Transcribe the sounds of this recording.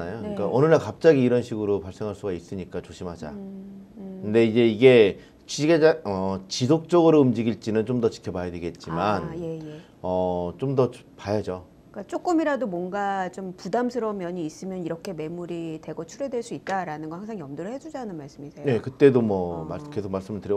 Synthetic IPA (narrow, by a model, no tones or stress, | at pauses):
najok͈aʔʌnɯnakap̚t͡ɕ͈aɡiːɾʌnɕʰiɡɯɾopaɭs͈e̞ŋɦaɭs͈uɡais͈ɯɲik͈at͡ɕoɕʰimɦhad͡ʑa̰ | kʰɯnde̞id͡ʑe̞iɡe̞ | t͡ɕiɡeaʌt͡ɕisʰok̚t͡ɕ͈ʌɡɯɾoɯmd͡ʑiɡiɭt͡ɕ͈inɯnt͡ɕomdʌt͡ɕi̥kʰʌmajʌdweɡe̞t̚t͡ɕ͈imane | ʌt͡ɕomdʌ | pajad͡ʑo | k͈at͡ɕ͈ok͈ɯmiɾadomwʌnɡat͡ɕompudamsʰɯɾʌmjʌɲiːs͈ɯmjʌniɾʌkʰe̞me̞muɾite̞ɡʌt͡ɕʰuɾe̞dweɭs͈uit̚t͈aɾanɯnɡʌhaŋs̬ʰaŋjʌmdɯɾɯɭɦe̞d͡ʑud͡ʑaɦːnɯnmaɭs͈ɯmisʰeje̞kɯt͈e̞domwʌmakʰe̞sʰoɡ̚maɭs͈ɯmɯɭtɯɾj